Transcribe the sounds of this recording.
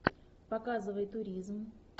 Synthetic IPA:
pɐkazɨvəjt̪ʊɾʲizm

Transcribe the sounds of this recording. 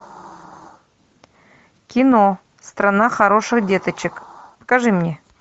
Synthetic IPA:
kʲɪno | st̪ɾɐnaxɐɾo̞ʂɨxdʲe̞t̪ət͡ɕɪkpə̥kɐʐɨmnʲe

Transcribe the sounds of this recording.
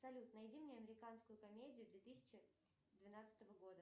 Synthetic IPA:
psɐlʲut̪nɐjdʲimnʲeɐmʲɪɾʲɪkanskʊjʊkɐmʲedʲɪjʊd̪vʲet̪ɨsʲɪ̥t͡ɕɪ | d̪vʲɪnat̪sɨ̥t̪əvəɡo̞d̪ə

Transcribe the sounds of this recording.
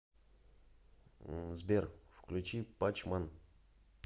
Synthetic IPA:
zbʲerfklʲut͡ɕipat͡ɕman

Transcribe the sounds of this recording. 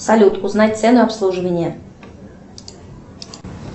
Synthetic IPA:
sɐlʲut̪uznat̚ʲt̪sɛnʊapslˠuʐɨvənʲɪjə

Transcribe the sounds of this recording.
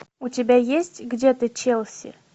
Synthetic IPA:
ʊtʲɪbʲajesʲtʲɡdʲet̪ɨt͡ɕelˠsʲɪ̰

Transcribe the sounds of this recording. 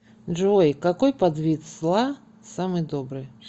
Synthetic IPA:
ʐɔjkakɔjpad̪vʲit̪zlˠa | samɨjd̪ɔbɾɨj

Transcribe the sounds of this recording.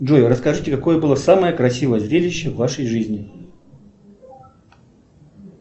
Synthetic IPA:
ʐojʲɾəskɐʐɨtʲɪkɐko̞jəbɨlˠəsaməjəkɾɐsʲivəjəzɾʲelʲɪɕːəvːaʂəjʐɨzʲnʲɪ

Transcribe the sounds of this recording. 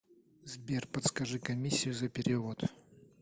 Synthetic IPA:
zbʲerpɐt̪skɐʐɨkɐmʲisʲːɪjʊzɐpʲɪɾʲɪvot̪

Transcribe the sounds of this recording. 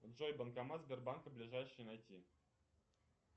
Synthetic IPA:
ʐojbɤ̆nkɑmɑzbʲerbankəblʲiʐajʂɘjnajtʲi

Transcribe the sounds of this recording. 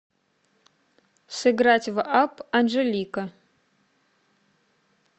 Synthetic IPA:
sɨɡɾatʲvʔapʰanʐelʲikɐ

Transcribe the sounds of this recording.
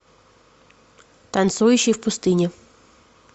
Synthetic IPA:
t̪ɐnt̪sujʊɕijwpʊst̪ɪnʲi

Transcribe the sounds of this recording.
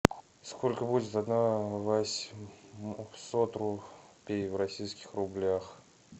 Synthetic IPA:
skʰo̞lʲkəbudʲɪt̪ad̪navasʲ | sot̪rʊpʲejvrɐsʲijskʲɪ̥xrʊblʲax

